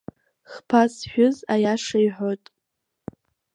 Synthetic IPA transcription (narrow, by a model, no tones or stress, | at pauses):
χpʰasħᶣʊzajaʂajħʷotʼ